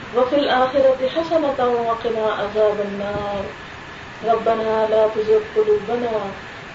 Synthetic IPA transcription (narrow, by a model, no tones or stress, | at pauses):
wafilʔaːxɪɾˤɑt̪ɪħasanat̪awwɑqɪnaːʔazaːbanːɑːɾˤ | ɾˤɑbːanaːlaːt̪azɪbqʊluːbanaː